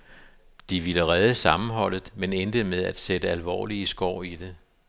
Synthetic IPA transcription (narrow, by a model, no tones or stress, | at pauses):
d̥iʋiləʁɛð̞ˠəsɑ̈mn̩ɦɒ̽l̰ð̞̩ˠmenend̥əmeð̞ˠæd̥sed̥əælʋɒ̰ːliəsɡ̥ɒʊ̰id̥e̝